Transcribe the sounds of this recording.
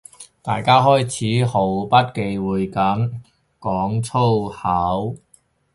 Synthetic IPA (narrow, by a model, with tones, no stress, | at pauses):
t̪aː˨jkaː˥ɦɔː˥jt͡sʰiː˨˥ho˨˥wpɐ˥t̚ke˧jwuː˨jkɐ˨˥m | kɔː˨˥ŋt͡sʰo˥whaː˨˥w